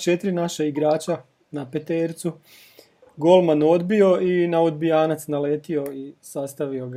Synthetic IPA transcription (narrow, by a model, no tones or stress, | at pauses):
t͡ʃe̞t̪ɾinaʃaiɡɾaːt͡ɕa | napet̪eːɾt̪su | ɡo̞lˠmano̞d̪bio̞inaod̪̚bijaːnat̪snale̞ːt̪io̞isast̪aʋio̞ɡ